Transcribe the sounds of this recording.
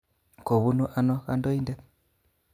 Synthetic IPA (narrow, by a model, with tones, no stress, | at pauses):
ko˨βu˦nu˦ʔa˦nɔ˦ka˦ndo˦i˦ndɛ˦